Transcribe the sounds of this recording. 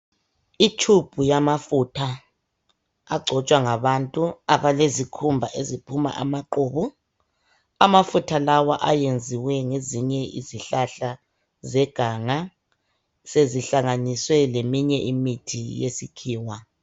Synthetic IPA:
it͡ʃʰub̥ʱujamafutʰa | ɡ͡ǀʱɔt͡ʃʼwaŋaβantʼuaβalezikʰumbʱaʔezipʰuma̰ʔa̰maǃoːβu | amafutʰalawaʔajend͡zʱiwɛŋeziɲɛḭziɬaɬa | zɛɡ̥ʱaŋa | seziɬaŋaniswɛlemiɲɛʔimitʰijesikʰiːwa

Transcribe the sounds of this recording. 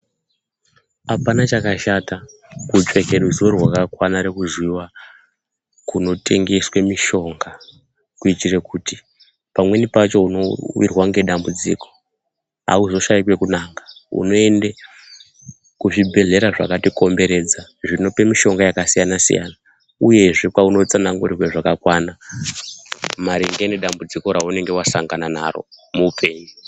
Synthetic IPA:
apanat͡ʃakaʃatakut͡ʃwe̞keɗuzorwakakwanaɾekuzwiwa | kuno̞tʰe̞ŋɡe̞swemiʃo̞ŋɡa | kuitirekuti | pamwe̞nipat͡ʃo̞uno̞wḭrwaŋɡe̞ɗambud͡zḭko̞̥ | ɦa̰uzo̞ʃaikwe̞kunaːŋɡaṵno̞e̞nde | kuʐibʱe̞ɮe̞ɾaʐa̰katiko̞mbe̞ɾe̞d͡zaʐino̞pemiʃo̞ŋɡajakasijanasḭja̰na | uje̞ʐe̞kwauno̞t͡sanaŋɡurirweʐakakwana | maɾiŋɡeneɗambud͡ziko̞ɾaune̞ŋɡe̞wasaŋɡanana̰ro̞̰muupʰe̞ːɲu

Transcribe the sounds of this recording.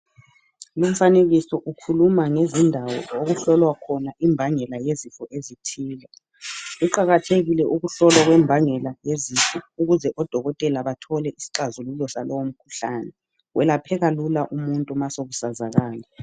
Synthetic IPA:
lum̩faneɣisɔʔukʰulumaŋezindʱawɔ̰oɣuɬɔlwakʰɔnaʔimbʱaŋɛlajezifɔʔezitʰiːla | uǃaɣatʰeɣilɛʔuɣuɬɔlwaɣwɛmbʱaŋɛlajezifɔuɣuzɛʔɔd̥ʱɔɣɔtʼɛlaβatʰɔlɛʔisi̥ǃazululɔsalɔwom̩kʰu̥ɬaːnɛ | wʔɛlapʰɛɣalulaʔumuntʼumasoɣusazaɣaːlɛ

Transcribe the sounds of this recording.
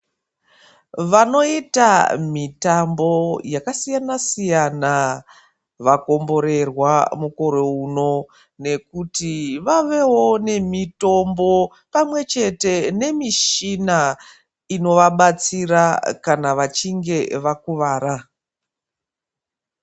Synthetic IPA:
ʋano̞ita̰mitambo̞jakasijanasijana | ʋako̞mbo̞ɾe̞rwamuko̞ɾe̞uno̞ | ne̞kutiʋaʋe̞wo̞ne̞mito̞mbo̞ | pamwe̞t͡ʃe̞te̞ne̞miʃina | ino̞ʋaɓat͡sirakanaʋat͡ʃiŋɡe̞ʋakuʋaːɾa

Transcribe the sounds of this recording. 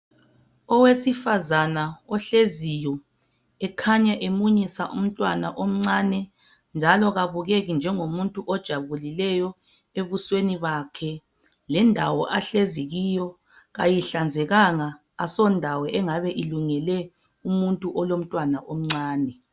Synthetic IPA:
ɔwesifazanaɔɬezijɔ | ɛkʰaɲaʔemuɲisaʔṵm̩tʼwana̰ʔom̩ŋ͡ǀanɛ | nd͡ʒʱalɔɣaβuɣeɣind͡ʒʱɛŋomuntʼuʔɔd̥ʒ̥ʱaβulilɛjɔ | eβusweniβakʰɛ | lɛndʱawɔʔaɬeziɣijɔ | ɣajiɬand͡zʱɛɣaŋaː | sɔndʱawɛʔɛŋaβɛʔiluŋɛlɛ | umuntʼuʔɔlom̩tʼwanaʔom̩ŋ͡ǀaːnɛ

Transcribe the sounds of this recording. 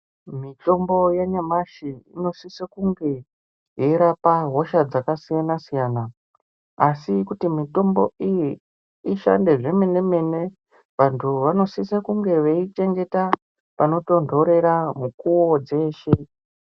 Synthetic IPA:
mito̞mbo̞jaɲamaʃiino̞sisakuŋɡe̞ | jeiɾapaɦoʃad͡zakasijanasijaːnaː | sikutimito̞mbo̞̰ijiː | ʃa̰nde̞ʐe̞me̞ne̞me̞ne̞ | ʋantʰuʋano̞sisakuŋɡe̞ʋeit͡ʃe̞ŋɡe̞ta | pano̞to̞ndʱo̞ɾe̞ɾamukuwo̞d͡ze̞ːʃe

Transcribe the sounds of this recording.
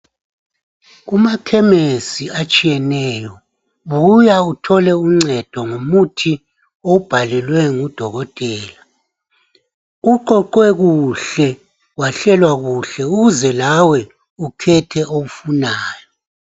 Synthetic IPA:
umakʰɛmesiat͡ʃʼijɛnɛːjɔ | βujautʰɔlɛuŋ͡ǀɛd̥ʱɔŋomutʰi | ob̥ʱalɛlwɛŋud̥ʱɔɣɔtʼɛːla | uǃɔǃwɛɣuɬɛ | waɬɛlwaɣuɬɛuɣuzɛlawɛ | ukʰɛtʰɛʔowufunaːjɔ

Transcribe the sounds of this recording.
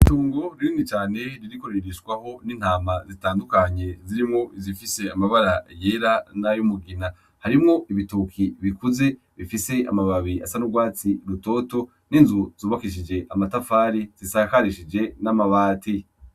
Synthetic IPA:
tuːŋɡo̞ɾinit͡ʃaːne̞ɾiɾiko̞ɾeɾiʃɡwaho̞nin̥haːmazitaːndukaɲe̞ziɾimŋo̞izifise̞amaβaɾajeːɾanajumuɡina | haɾimŋo̞iβitukʰiβikuze̞ | βifise̞a̰maβaβiasanubɡwaːt͡siɾuto̞ːto̞ | ninzuz̥uːβakiʃ̬id͡ʒe̞ʔamatafaːɾiz̥isaːkaɾiʃid͡ʒe̞namaβaːti

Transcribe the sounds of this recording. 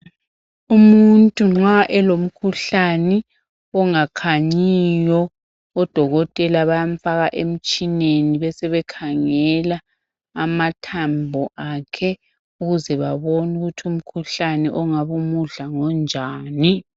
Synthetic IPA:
umuntʼuŋ͡ǁaʔɛlom̩kʰuɬanɛ | ɔŋakʰaɲijɔː | d̥ʱɔɣɔtʼɛlaβajaɱ̩faɣaʔem̩t͡ʃʼineniβɛsɛβɛkʰaŋɛlaː | matʰambʱɔʔakʰɛ | uɣuzɛβaβonuɣutʰum̩kʰuɬanɛʔɔŋaβumuɮaŋɔnd͡ʒʱaːni

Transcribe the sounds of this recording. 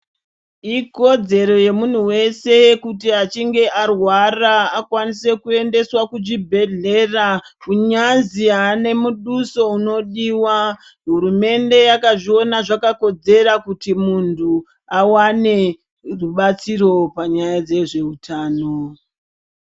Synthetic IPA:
iko̞d͡ze̞ɾo̞je̞mun̤uwe̞se̞kutiat͡ʃiŋɡe̞ʔarwaraːkwanise̞kue̞nde̞swakud͡ʒibʱe̞ɮe̞rakuɲanziaːne̞muɗuso̞uno̞ɗiːwa | ɦuɾume̞nde̞jakaʐio̞naʐakako̞d͡ze̞ɾakutimuntʰu | awane̞ | ruɓat͡siɾo̞paɲajad͡ze̞ʐe̞utʰaːno̞

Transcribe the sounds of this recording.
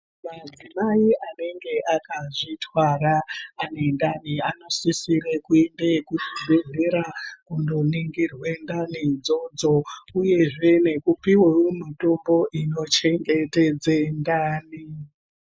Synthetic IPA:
mad͡zimaiʔane̞ŋɡe̞ʔakaʐitʰwaraːne̞ndaniano̞sisirekuembekuʃizeze̞ɾakundo̞niŋɡirwe̞ndanid͡zo̞d͡zo̞uje̞ʐe̞ne̞kupiweumito̞mbo̞ʔino̞t͡ʃe̞ŋɡe̞ted͡zendaːni

